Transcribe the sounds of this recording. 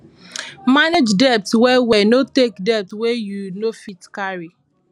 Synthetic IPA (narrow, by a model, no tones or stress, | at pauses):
maned͡ʒdɛp̚twɛwɛnotekdɛp̚twɛjunofitkaɹi